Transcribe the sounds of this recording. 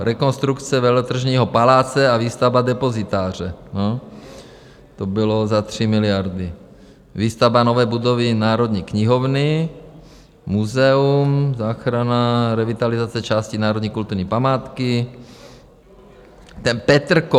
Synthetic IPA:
ɾʔɛkonst̪ɾukt͡sɛvɛlt̪r̩ʒɲiːɦopalaːt͡sɛaviːst̪avbadɛpozɪt̪aːr̝ɛno | t̪obɪlozat̪r̝̥ɪmɪlɪjaɾdɪ | viːst̪avbanovɛːbudovɪnaːɾod̪ɲiːkɲɪɦovnɪ | muzɛumzaːxɾanaɾɛvit̪alɪzat͡sɛt͡ʃaːscinaːɾo̞d̪ɲiːkult̪uɾɲiːpamaːt̪kɪ | t̪ɛnpɛt̪r̩ko

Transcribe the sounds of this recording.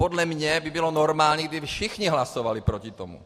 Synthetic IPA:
pod̪lɛmɲɛbɪbilonoɾmaːlɲɛɡd̪ɪfʃixɲiɦlasovalipɾocit̪omṵ

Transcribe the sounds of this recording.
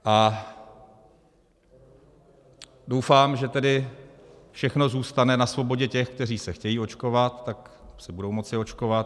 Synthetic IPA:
ʔa | do̞wfaːmʒɛt̪ɛdɪ | fʃɛxno̞zuːst̪anɛnasvo̞bo̞ɟɛcɛxkt̪ɛr̝iːsɛxcɛjiːo̞t͡ʃko̞vat̪ːaksɪbudo̞wmo̞t͡sɪo̞t͡ʃkovat̪

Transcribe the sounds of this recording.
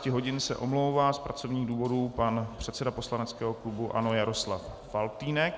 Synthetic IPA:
cɪɦo̞ɟɪnsɛ̰ʔo̞mlowvaːspɾat͡so̞vɲiːɣduːvo̞duːpanpr̝̥ɛt̪sɛdapo̞slanɛt͡skɛːɦoklubuʔa̰no̞jaɾo̞slafːalt̪iːnɛk

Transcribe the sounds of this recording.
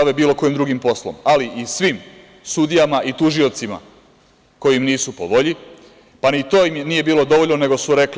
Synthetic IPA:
aʋebiːlˠo̞ko̞jimd̪ɾuɡimpo̞slo̰maliʔisʋim | sud̪ijamaʔit̪uʒio̞t̪sima̰ | ko̞jiimniːsupo̞ʋo̞ʎi | panit̪o̞ːimjniːje̞biːlo̞d̪o̞ʋo̞ʎnone̞ɡo̞suɾe̞k

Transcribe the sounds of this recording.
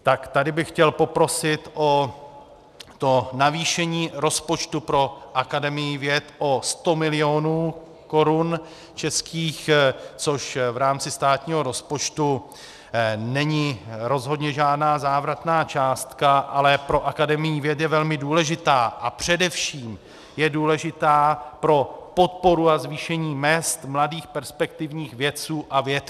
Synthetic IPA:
t̪akt̪adɪbɪxcɛlpo̞pɾo̞sɪt̪ʔo̞ | t̪o̞naviːʃɛɲiːɾo̞spo̞t͡ʃt̪upɾo̞ʔakadɛmɪjɪvjɛt̪ʔo̞st̪o̞mɪlɪo̞nuː | ko̞ɾun | t͡ʃɛskiːxt͡so̞ʃvɾaːmt͡sɪst̪aːt̪ɲiːɦo̞ɾo̞spot͡ʃt̪u | nɛɲɪɾo̞zɦo̞dɲɛʒaːdnaːzaːvɾat̪naːt͡ʃaːst̪kaʔalɛpɾo̞ʔakadɛmɪjiːvjɛt̪̬jɛvɛlmɪduːlɛʒɪt̪aːʔapr̝̥ɛdɛfʃiːm | jɛduːlɛʒɪt̪aːpɾo̞po̞t̪̚po̞ɾuazviːʃɛɲiːmɛst̪mladiːxpɛɾspɛk̚t̪ɪvɲiːxvjɛt͡suːʔavjɛt̪

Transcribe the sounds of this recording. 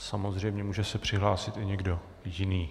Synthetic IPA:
samo̞zr̝ɛjmɲɛmuːʒɛsɛpr̝̥ɪɦlaːsɪt̪ɪɲɛɡdo̞ | jɪniː

